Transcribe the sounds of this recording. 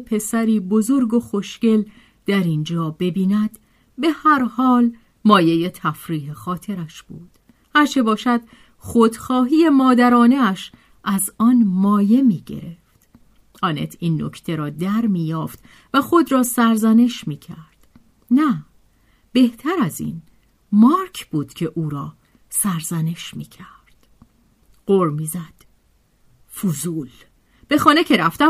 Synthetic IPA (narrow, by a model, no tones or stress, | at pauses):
pʰe̞sæɾiːbozo̞ɾɡo̞xo̞ʃce̞l | d̪̥æɾind͡ʒɒːbe̞biːnæd̪ | be̞hæɾhɒːl | mɒːje̞je̞t̪ʰæfɾiːɦexɒːt̪ʰe̞ɾæʃb̥uːd̪̥ | hæɾt͡ʃʰe̞bɒːʃæd̪̥ | χod̪xɒːɦiːe̞mɒːd̪æɾɒːneæʃ | ʔæzɒːnmɒːje̞miːɟe̞̰ɾe̞ft̪ | ʔɒːnet̪ʰiːnːo̰cʰt̪ʰe̞ɾɒːd̪æɾmiːjɒːft̪ | væxo̞d̪ɾɒːsæɾzæne̞ʃmiːcʰæɾd̪̥ | næ | b̥e̞ht̪ʰæɾæzḭn | mɒːɾcʰb̥uːd̪̥cʰe̞ʔuːɾɒː | sæɾzæne̞ʃmiːcʰæɾd̪̥ | ɢoɾmiːzæd̪̥ | fuzuːl | b̥e̞xɒːnecʰe̞ɾæft̪æ